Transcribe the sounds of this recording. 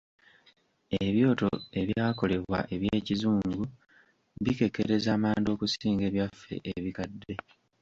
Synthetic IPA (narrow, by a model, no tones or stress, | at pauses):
eβjo̞ːto̞̰e̞βjaːko̞le̞βwa̰ʔe̞βje̞ːcizuːŋɡu | βike̞keɾe̞zaːmaːndio̞ːkusiːŋɡe̞ːβjafːe̞̰ʔeβikadːe̞